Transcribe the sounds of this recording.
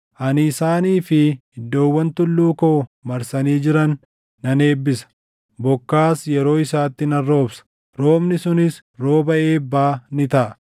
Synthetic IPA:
ʔɐnɪsaːniːfɪɪd̪ːo̞ːwːɐnt̪ʊlːuːkoʊmɐɾsɐniːd͡ʒɪɾɐnː | ɐneːbːɪsɐ̥ | bɔkːaːsjɛɾo̞ːɪsaːt̪ːɪnɐrːo̞ːbsɐ̥ | ɾo̞ːmnɪsʊnɪs | ɾo̞ːbɐeːbːaːnɪt̪ɐʔɐ

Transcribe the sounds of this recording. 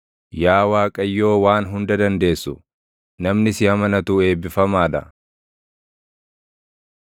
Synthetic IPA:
jaːwaːkʼɐjːo̞ːwaːnɦʊnd̪ɐd̪ɐnd̪e̞ːsːʊ | nɐmnɪsɪhɐmɐnɐt̪uːe̞ːbɪfɐmaːᶑɐ̰

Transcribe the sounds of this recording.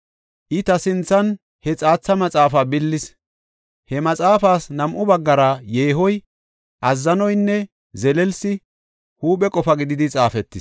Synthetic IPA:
ʔɪt̪ɐsɪnt͡sːɐn | hɛt͡sʼaːt͡sːɐmɐt͡sʼaːfabɪlːɪs | hɛmɐt͡sʼaːfaːsnɐmʔʊbɐɡːɐɾɐjeːɦɔj | ʔɐzːɐnɔjnːɛ | zɛlɛlsɪ | huːɓɛkʼɔfɐɡɪd̪ɪd̪ɪt͡sʼaːfɛt̪ːɪs

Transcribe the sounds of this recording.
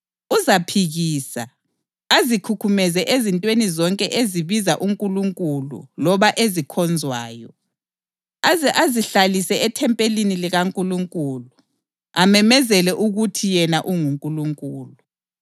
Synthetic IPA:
uzapʰiɣiːsa | azikʰukʰumɛzɛʔezintʼwenizɔŋkʼɛʔeziβizaʔuŋkʼuluŋkʼulṵlɔβaʔezikʰɔnd͡zʱwa̰ːjɔ | azɛaziɬalisɛɛtʰɛmpʼeliniliɣaŋkʼuluŋkʼuːlu | amɛmɛzɛlɛʔuɣutʰijɛnaʔuŋuŋkʼuluŋkʼuːlu

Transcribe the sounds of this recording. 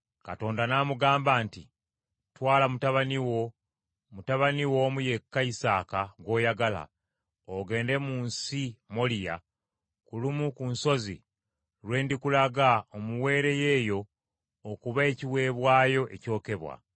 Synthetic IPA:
kato̞ːndanamuɡaːmbaːnti | twaːlamutaβaniwo̞ | mutaβaniwo̞ːmuje̞kːaisaːkaɡwo̞ːjaɡala̰ | oɡe̞ːnde̞muːnsimo̞lija̰ | kulumukunso̞zḭ | ɾwe̞ːndikulaɡaomuwe̞ːɾe̞je̞ːjo̞ː | kuβae̞ciwe̞ːβwaːjo̞ʔe̞̰co̞ːke̞βwa̰

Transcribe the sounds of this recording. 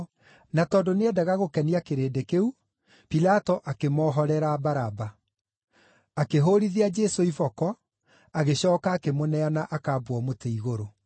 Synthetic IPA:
natɔːndoneɛdaɣaɣokɛniakeɾeːdekeu | pilatɔʔakemɔːɦɔɾɛɾabaɾaba | akeɦoɾiðiad͡ʒɛsoifɔkɔ | aɣeɕɔːkaːkemonɛanaʔakaːbwɔmoteiɣoɾo

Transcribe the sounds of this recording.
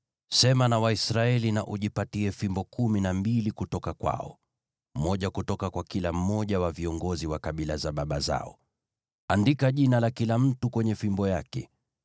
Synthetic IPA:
sɛmanawaisɾaɛlinaʔuʄipatiɛfimbɔkuminambilikutɔkakwa̰ɔ̰ | mɔʄakutɔkakwakilam̩mɔʄawaviɔŋɡɔziwakaɓilazaɓaɓaza̰ɔ | andikaʄinalakilam̩tukwɛɲɛfimbɔjakɛ̰

